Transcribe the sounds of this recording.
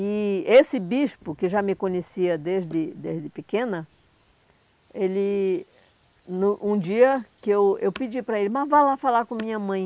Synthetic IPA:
ɪesɪbiʃpʊkɪʒamɪkõɲesiɐd̪ezd̪ɪd̪ezd̪ɪpɪkẽnɐ | elɪ | nʊʔũd͡ʒiɐkɪewewpid͡ʒipɾɐelɪmɐvalafalakõmĩɲɐmɐ̃j̃

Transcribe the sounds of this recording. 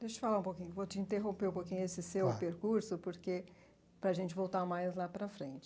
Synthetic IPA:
d̪eʃʊt͡ʃɪfalaɾũpokĩɲʊvot͡ʃɪĩnt̪eɦõpeũpokĩɲʊesɪsewpeɾkuɾsʊpoɾke | pɾɐaʒẽnt͡ʃɪvowt̪aɾmajzlapɾɐfɾẽnt͡ʃɪ̥

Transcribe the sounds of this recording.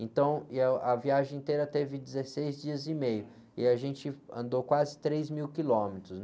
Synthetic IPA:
ẽnt̪ɐ̃w̃ɐviaʒẽẽnt̪eɾɐt̪evɪd͡ʒɪzesejzd͡ʒiɐzɪmejʊ | ɪaʒẽt͡ʃɪɐ̰̃nd̪owkwazɪt̪ɾezmiwkilõmet̪ɾʊsn

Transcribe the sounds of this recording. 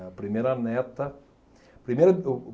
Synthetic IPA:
pɾʲɪmʲeɾɐnɐɛt̪ɐ | pɾʲɪmʲeɾ

